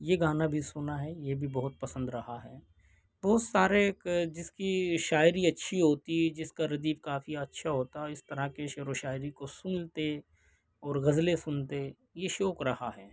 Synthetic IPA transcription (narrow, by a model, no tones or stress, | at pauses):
jeɡaːnabʱisʊnaɦɛjebʱibɐɦʊt̪̚pɐsə̃nd̪ɾɐɦaɦɛː | bɔːt̪saːɾekd͡ʒɪskiʃaːɪɾiɐtːʃʰiɦoːt̪iɦd͡ʒɪskaɾɐd̪iːfkaːfiɐtːʃʰaɦoːt̪aɦɛɪst̪ɐɾakeʃeːɾoʃaːɪɾikosʊnt̪e | ɔːɾɣɐzlesʊnt̪e | jeʃoːkɾɐhaɦɛː